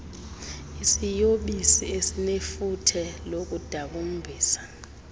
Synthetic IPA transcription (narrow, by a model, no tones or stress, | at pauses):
isijoɓisiesinefutʰɛlok̬ud̥ʱaɓum̩bʱiːsḁ